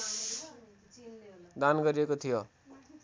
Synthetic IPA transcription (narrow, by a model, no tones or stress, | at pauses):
d̪anɡʌɾiekot̪ʰijo